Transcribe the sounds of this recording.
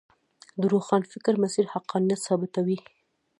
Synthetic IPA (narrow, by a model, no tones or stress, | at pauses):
d̪əɾoxɑnfɪkɾmasiɾhaqːɑnijat̪sɑbɪt̪awi